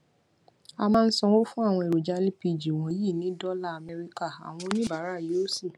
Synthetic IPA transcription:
a˧mãː˦˧n̩˦sɔ˧wo˦fũ˦a˦˨w̃ɔ̃˧e˨o˨d͡ʒa˧˦li˦pi˧˨d͡ʒi˨w̃ɔ̃˨˦ji˦˨nĩ˨˦dɔ˦la˦˨mɛ˧ɾi˧ka˦˨a̰˨w̃ɔ̃˧˦nĩ˦ba˨˦ɾa˦˨jo˨˦si˦˨

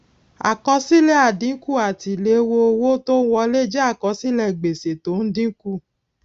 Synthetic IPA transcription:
a̰˨kɔ˧si˦lɛ˦a˨dĩ˨˦ku˦˨a˨ti˨le˧˦˧wo˧o˧wo˦to˦wɔ˧le˦d͡ʒɛ˦a˦˨kɔ˧si˦lɛ˦˨ɡ͡be˨se˨to˨˦n̩˦dĩ˦ku˦˨

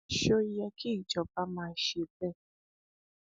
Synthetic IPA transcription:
ʃo˦i˦jɛ˧kʰi˦i˨d͡ʒɔ˨pa˧mãː˧˨ʃe˧˨bɛ˦˨

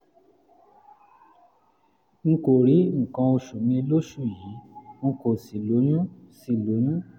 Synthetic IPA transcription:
ŋ̩˧ko˨ɾi˨˦ŋ̩˨kã˨˧o˧ʃu˨nĩ˧lo˦ʃu˦˨ji˨˦ŋ̩˧ko˨si˨lo˨˦j̃ũ˦ | si˨lo˨˦j̃ũ˦

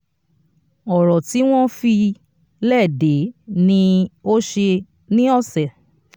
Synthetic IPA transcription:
ɔ˨ɾɔ˨ti˨˦w̃ɔ̃˦fi˧ | lɛ˦˨de˨˦nĩ˧˦o˦ʃe˧ | nĩ˦ɔ˦˨sɛ˨

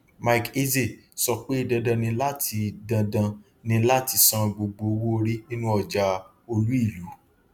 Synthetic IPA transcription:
ma˦i˨ke˦ze˦˨sɔ˧k͡pe˦i˦˨dã˧dã˧nĩ˧la˦tʰi˧dã˧dã˧ | nĩ˧la˦ti˧sɔ̃˧˨ɡ͡bo˨ɡ͡bo˨˧wo˦˧ɾi˦nĩ˦nũ˦ɔ˨d͡ʒa˨˧ | o˧lu˦i˦˨lu˨˦

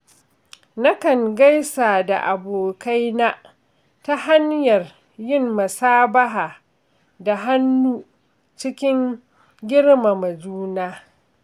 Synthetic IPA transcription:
na˦kɐ˨ŋɡa˦jsaː˨da˨ʔa˨boː˨ka˦jna˦ʔ | ta˦ha˦ɲjɐ˨r | jɪ˦mːɐ˨saː˦bɐ˦ɦaː˨ | da˨ɦa˦nːuː˦ | t͡ʃɪ˦kʲɪ˦ŋ | ɡʲɪ˦ɽma˨mɐ˨d͡ʒuː˦naː˦

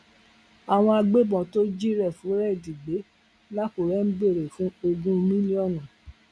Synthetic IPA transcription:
a˨w̃ɔ̃˧a˧ɡ͡be˦bɔ̃˨to˦d͡ʒi˦ɾɛ˦˨fũ˨˦ɾɛ˦˨di˨ɡ͡be˨˦ | la˦ku˨ɾɛ˨˦n̩˦ɡ͡be˦˨ɾe˨fũ˨˦o˧ɡũ˦mĩ˦li˦ɔ˦˨nũ˨

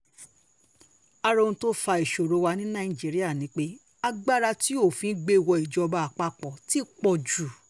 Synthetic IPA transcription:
a˧ɾõ˧ũ˧to˦fa˧i˨ʃo˨ɾo˨˧wa˧nĩ˦nã˦˨i˨d͡ʒi˨˦ɾi˦a˦˨nĩ˨˦k͡pe˦ | a˧ɡ͡ba˦ɾa˧ti˦o˦˨fĩ˨˧˦ɡ͡be˧˦˨wɔ˧i˨d͡ʒɔ˧ba˧a˨k͡pa˧k͡pɔ˨ti˦k͡pɔ˧˨d͡ʒu˨

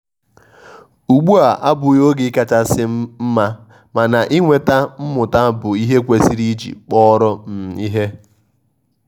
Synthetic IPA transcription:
u˨ɡ͡bu˦a˨ʔa˦bʊ˨jo˦ɡɪ˨˦ka˨t͡ʃa˦sɪ˦m̩˦ma˦ | ma˨na˨ʔi˦ŋʷe˨ta˦m̩˦mʊ˨ta˦bʊ˨i˦ɦe˦kʷe˨si˦ɾi˦d͡ʒḭ˨k͡pɔ˦ɾɔ˦m̩˨i˦ɦe˦

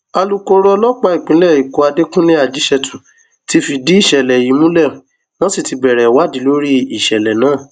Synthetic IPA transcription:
a˧lu˦ko˧˦ɾɔ˦lɔ˦k͡pa˧i˨k͡pĩ˨˦lɛ˦˨i˨ko˧a˧de˦kũ˦li˦a˦˨d͡ʒi˨˦ʃɛ˧tũ˨ | ti˧fi˧di˨˦i˦˨ʃɛ˨lɛ˨ji˨˦mũ˦lɛ˦˨ũ˨ | nɔ̃˦si˦˨ti˧bɛ˨ɾɛ˨wa˦dĩ˨˦lo˦ɾi˦i˨ʃɛ˨lɛ˨nãː˨˦˨

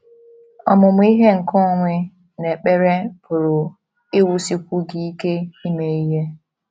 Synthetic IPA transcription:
ɔ˨mʊ˨mʊ˦i˦ɦe˦ŋ̩˨kɔ˦˨ŋʷɪ˦ | ne˨k͡pe˦ɾe˦pʊ˨ɾʊ˨ | ɪ˦wu˦si˦kʷu˦ɡi˦i˦ke˦i˦me˨i˦ɦe˦

